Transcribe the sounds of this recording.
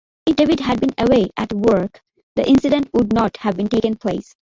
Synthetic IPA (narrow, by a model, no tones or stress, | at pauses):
ɪfɖeʋɪɖɦæɖ̚bĩnəweːʔæʈwəɾk | d̪əʔɪ̃nsɪɖə̃nʈwʊɖ̚nɔʈhæʋbĩnʈeːkə̃npʰlḛːs